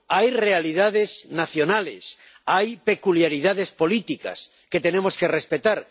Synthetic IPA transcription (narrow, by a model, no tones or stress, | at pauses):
ajre̞aliðaðe̞snaθjo̞nalḛs | ajpe̞kuljaɾiðaðe̞spo̞lit̪ika̰s | ke̞t̪e̞nẽ̞mo̞ske̞respe̞t̪aɾ